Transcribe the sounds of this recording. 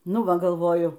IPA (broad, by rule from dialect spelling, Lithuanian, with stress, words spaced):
ˈnʊ ˈʋɐ ɡɐlˠˈʋoːjʊ